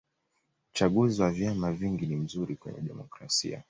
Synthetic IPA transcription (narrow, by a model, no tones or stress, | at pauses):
t͡ʃaɠuziwavjamaviŋɡinim̩zuɾikwɛ̰ɲɛ̰ɗɛmɔkɾa̰sḭa̰